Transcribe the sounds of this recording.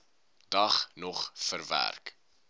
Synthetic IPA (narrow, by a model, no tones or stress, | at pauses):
d̥ɐχnɔχfərvæ̰rk